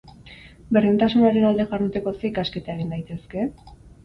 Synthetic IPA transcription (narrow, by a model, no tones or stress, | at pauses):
be̞rint̪asunaɾe̞nald̪e̞ɣaɾðut̪e̞ko̞seikaske̞t̪ae̞ɣind̪ajt̪e̞ske̞